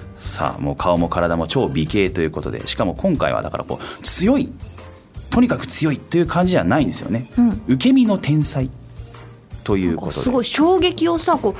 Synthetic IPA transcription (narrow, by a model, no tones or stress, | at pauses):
sa̰ːmo̞ːkʰao̞mo̞kʰaɾad̪amo̞t͡ɕo̞ːbʲike̞ːt̪o̞jɯ̟ːko̞t̪o̞d̪e̞̰ɕi̥kamo̞kʰõŋka̰ḭβa̰d̪a̰ka̰ɾʔa̰koːt͡sɨjo̞i | t̪o̞ɲ̟ikakɯ̟̥t͡sɨjo̞it̪ːo̞jɯ̟ːkʰãɲ̟d͡ʑieβanaĩnd̪esɨjo̞̰ne̞ɯ̟ke̞mʲino̞t̪ʰẽ̞ɰ̃sai | t̪o̞jɯ̟ːkkot̪osɨɡoiɕoːɡe̞kʲio̞sako